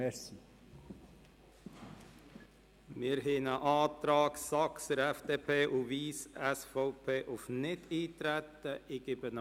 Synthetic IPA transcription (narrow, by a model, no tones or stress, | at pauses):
ɛsi | mɪːɾɦɪnəʔɑːt̪ɾɑːksɑksəɾɛfd̪eːpʰeːʔuʋiːsɛsfoʊpʰeːʔʊfnɪt̪ʰiːt̪ɾɛt̪ːəɪɡɪbən